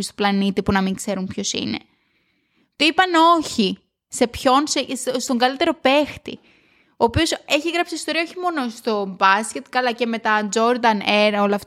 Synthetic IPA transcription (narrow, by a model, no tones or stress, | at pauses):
st̪oplɐnit̪ipunɐmiŋkse̞ɾumpço̞sḭne̞̰ | t̪oipɐno̞çi | se̞pço̞nsest̪o̞ŋɡɐlit̪e̞ɾo̞pe̞xt̪ḭ | o̞ːpio̞se̞çiɣɾɐpsiist̪o̞ɾiɐoçimo̞no̞st̪o̞bɐscet̪kɐlɐce̞me̞t̪ɐnd͡zo̞ɾd̪ɐneɾo̞lɐft̪